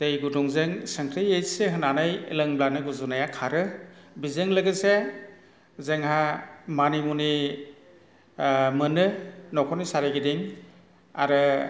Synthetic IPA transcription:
d̥ejɡuduŋzeŋsɯŋkʰɾɯjejseɦɯnanajḛlɯŋblanɯɡuzunajakʰaɾɯbizɯŋlɯɡɯse | zeŋhamanimuni | mɯnɯnɔkʰɔnisaɾeɡidiŋ | a̰ɾɯ

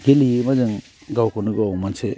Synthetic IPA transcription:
ɡeliimazɯŋ | ɡawkʰonuɡamanse

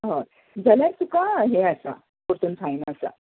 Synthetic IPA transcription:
ɦə | d͡zəljaɾsukaɦeəsa̰ | puɾt̪unt͡sʰajnaːsa̰

